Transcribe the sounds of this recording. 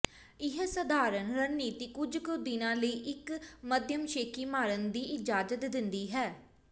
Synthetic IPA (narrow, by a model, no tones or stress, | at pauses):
ɪɦsəd̪ʱaːɾənɾəniːt̪iːkʊd͡ʒkʊd̪ɪnãːləiːʔɪkməd̪jəmʃeːkiːmaːɾənd̪iːʔɪd͡ʒaːd͡ʒət̪d̪ɪnd̪iːɦɛː